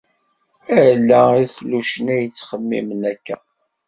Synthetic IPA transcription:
æɾlːæiçluʃənæjət͡sːχəmːḭmənækːæ

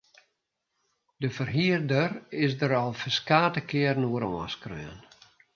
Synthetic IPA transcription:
d̥əfərɦiərdərɪsdəɾɔlˠfəskaːtəkɪərnoəɾɔəskrø̰ːən

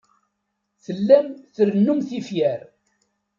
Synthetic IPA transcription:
θəlːæmθəɾənːumθifjæɾ

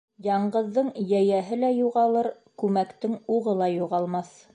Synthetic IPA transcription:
jɑɴɢɤ̆ðːɤɴjæjæɦɘlæjuʁɑlˠɤɾ | kʉmækt̪ɘŋuʁɤlˠɑjuʁɑlˠmɑθ

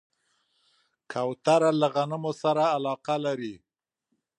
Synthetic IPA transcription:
kʰawt̪aɾalaɣanɪmosaɾaːlɑqalaɾi

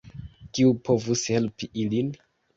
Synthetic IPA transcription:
kiupʰo̞vushe̞lpiʔilin

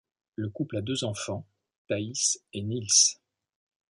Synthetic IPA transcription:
ləkuplad̪øzɑ̃fɑ̃ | t̪aisenils

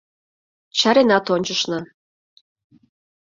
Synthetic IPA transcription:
t͡ɕɑɾenɑt̪onʲt͡ɕəʃnɤ̆

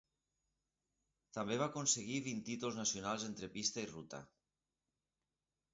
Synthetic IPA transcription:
t̪ambeβ̞akonseɣ̞iβ̞int̪it̪ulznasjonalˠzent̪ɾepist̪airut̪a̰

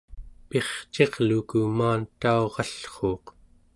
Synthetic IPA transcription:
pe̞χt͡ʃe̞ʁlukumaːnt̪aoʁɑɬχo̞ːq

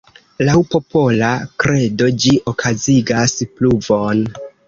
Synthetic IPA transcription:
lawpo̞po̞lakɾe̞do̞d͡ʒiʔokʰaziɡaspluvo̞n

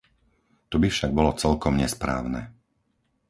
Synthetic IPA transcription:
t̪ɔbifʃaɡ̚bɔlɔt͡sɛlkɔmɲɛspɾa̰ːʊnɛ

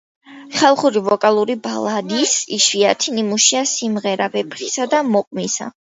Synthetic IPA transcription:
χalˠχuɾivɔkʼalˠuɾibalˠad̪isiʃviat̪ʰinimuʃiasimʁɛɾabɛpʰɾisad̪amɔqʼmisa̰

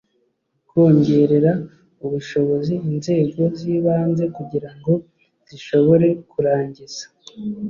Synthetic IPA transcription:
ko̞ːɲɟe̞ɾe̞ɾa | uβuʃo̞βo̞ziːnze̞ːɡo̞ziːβaːnze̞kuɟiɾaŋɡo̞ | z̥iʃo̞βo̞ɾe̞kuɾaːɲɟiz̥ḁ

